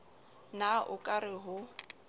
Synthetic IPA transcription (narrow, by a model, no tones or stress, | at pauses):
naʔʊkʼarɪɦʊ